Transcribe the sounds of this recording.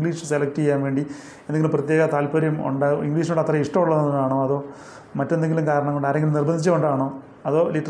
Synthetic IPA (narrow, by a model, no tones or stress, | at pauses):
ɡliːʂɨ̥selɐk̚ʈɨejːaːnʋe̞ːɳɖi | eneŋilumprɐt̪jeɣɐt̪aːlpɐɾjɐmṵɳɖaiŋɡliːʂ̬nuɽɐt̪rɐiʂʈɐmuɭːɐðennaːɳoːɐðo̞ː | mɐtːend̪eŋɡilumkaːɾɐɳɐmŋːɡoɳɖaːɾeŋɡilmnirbɐnʱit͡ɕːɐoɳɖaːɳoː | ɐðo̞ːliʈːɐ